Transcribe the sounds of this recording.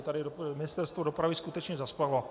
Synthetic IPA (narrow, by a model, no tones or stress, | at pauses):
t̪adidomɪnɪst̪ɛɾst̪vodopɾaviskut̪ɛt͡ʃɲɛzasklaval